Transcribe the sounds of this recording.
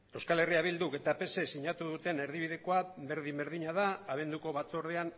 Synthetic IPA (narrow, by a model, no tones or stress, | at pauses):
e̞wskale̞riaβ̞ild̪uke̞t̪ape̞sesiɲat̪uðut̪e̞ne̞ɾðiβ̞iðe̞ko̞abe̞ɾðimbe̞ɾðiɲaðaːβ̞e̞nd̪uko̞βat͡soɾðean